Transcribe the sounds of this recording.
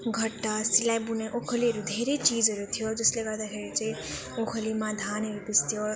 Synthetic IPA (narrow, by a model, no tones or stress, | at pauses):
ɡʱʌʈːasilajbuneʔokʰəliɦʌɾud̪ʱeɾet͡sid͡zʌɾut̪ʰijod͡zʌsleɡad̪axʰeɾit͡sãĩ | okʰəlimãd̪ʱanʌɾut̪ist̪ʰijo